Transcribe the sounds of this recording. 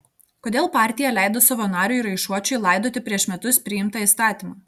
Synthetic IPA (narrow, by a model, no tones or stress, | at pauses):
koːd̪ʲeːlˠpɑːˑɾʲt̪ʲɪjɛlʲæˑɪd̪oːsɐʋoːnɑːɾʲʊiɾɐɪʃuɔt͡ʃʲɛɪlˠɑɪd̪oːt̪ʲɪpʲɾʲiɛʃmʲɛt̪ʊspʲɾʲɪɪmt̪ɑist̪ɑːt̪ʲimɑː